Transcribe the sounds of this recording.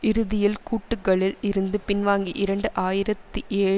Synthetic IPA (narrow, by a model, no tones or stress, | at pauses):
ʔɪɾɯðɪjɪlkuːʈːɯkːɐɭɪlɪɾɯnd̪ɯpɪnʋaːŋɡiʔɪɾɐɳɖɯʔaːjɪɾɐt̪ːɯʔeː